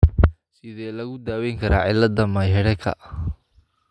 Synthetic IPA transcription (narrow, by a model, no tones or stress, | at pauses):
sɪðɛːlɐɣʊd̪aːwɛŋkʰɐɾʔaːʕɪlɐd̪ɐmɐjɦɛɽɛkʰɐ̰ʔ